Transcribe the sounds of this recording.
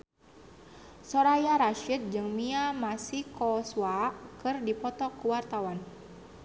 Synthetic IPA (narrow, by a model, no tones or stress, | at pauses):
sɔɾajaɾaʃit̪̚d͡ʒɨŋmiamasikɔswakɨrdipɔt̪ɔkuwart̪awan